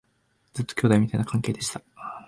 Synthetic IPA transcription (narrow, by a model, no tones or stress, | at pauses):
d͡zɨt̪ːo̥kʲo̞ːd̪aimit̪ainakʰãŋke̞ːd̪e̞ɕi̥t̪ḁ